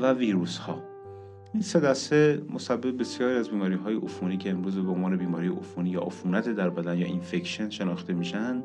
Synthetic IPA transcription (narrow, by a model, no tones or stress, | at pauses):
væviːɾuːshɒː | ʔinsed̪æst̪emosæbːebbe̞sjɒːɾiæzbiːmɒːɾiːɦɒːjeʔofuniːcʰeːmɾuːzbeonvɒːne̞biːmɒːɾiːjeʔofuːniːjɒ̰ːʔofuːnæt̪ʰed̪æɾbæd̪ænjɒ̰ːʔinfe̞kʃenʃe̞nɒːxt̪e̞miːʃænd̪